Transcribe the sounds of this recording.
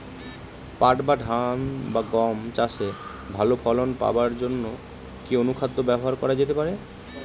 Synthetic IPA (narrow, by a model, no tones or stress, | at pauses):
paʈbaɖʱanbaɡɔmt͡ɕaʃe | bʱalopʰɔlonpa̰baɾd͡ʑonːo | kionukʰad̪ːobɛboɦaɾkɔɾad͡ʑet̪epaɾe